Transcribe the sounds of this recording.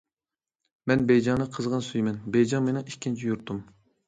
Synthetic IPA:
mɛnbɛjd͡ʒɑŋnɨqʰəzʁɑnsyjmɛnbɛjd͡ʒɑŋmenɪŋikʲʰːint͡ʃʰijuɾt̪ʰum

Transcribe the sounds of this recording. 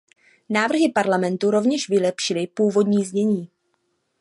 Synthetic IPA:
naːvr̩ɦɪpaɾlamɛnt̪uɾo̞vɲɛʃvɪlɛpʃɪlɪpuːvo̞dɲiːzɲɛɲiː

